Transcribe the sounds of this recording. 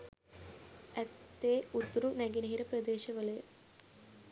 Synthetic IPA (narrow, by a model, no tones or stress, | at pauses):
ɐt̪ːeːut̪ːɾunɐɡinɐɦiɾɐpɾɐd̪eːʃɐʋɐlɯ